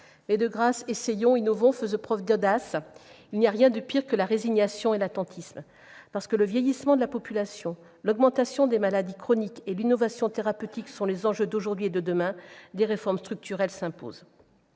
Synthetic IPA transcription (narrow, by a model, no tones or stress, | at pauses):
mɛd̪əɡʁasesejɔ̃inɔvɔ̃fəzɔ̃pχœvd̪ɔd̪asilnijaʁjɛ̃d̪əpiʁkəlaʁeziɲasjɔ̃elat̪ɑ̃t̪ʰism | paʁsə̥kələvjejismɑ̃d̪əlapɔpylasjɔ̃ | lɔɡmɑ̃t̪asjɔ̃d̪emalad̪ikχɔnikelinɔvasjɔ̃t̪eʁapøt̪iksɔ̃lezɑ̃ʒød̪oʒuʁd̪ɥied̪əd̪əmɛ̃d̪eʁefɔʁmst̪χyk̚t̪ʰyʁɛlsɛ̃po̰z